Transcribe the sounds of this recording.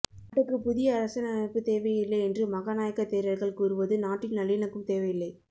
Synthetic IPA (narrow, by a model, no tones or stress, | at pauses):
naːʈːɯkːɯpʊðɪjɐːɾɐsɐnɐnɐɪpːɯt̪eːʋɐjɪlːɐɪɛndrɯmɐɣanaːjɐkːɐt̪ːeːɾɐɾɣɐɭkuːɾɯʋɐðɯnaːʈːɪnnɐɭɪjɐnɐkːɯmt̪eːʋɐɪjɪlːɐɪ